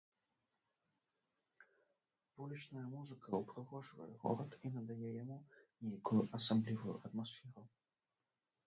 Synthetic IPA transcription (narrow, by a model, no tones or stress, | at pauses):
vulʲit͡ʂnɐjɐmuzɨkɐupɾɨɣɔʐvɐ̰jɛ̰ɣɔ̰ɾɐt̪inɐd̪ajɛjamunʲejakujuʔɐsablʲivujṵʔɐt̪masfʲɛɾu